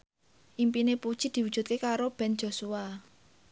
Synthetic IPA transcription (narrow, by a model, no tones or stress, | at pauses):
ʔimpinepud̥ʒ̥id̪̥i̤wud̥d͡ʒ̥ṳt̪̚kekaɾob̥ɛ̤n̥d͡ʒ̥o̤sua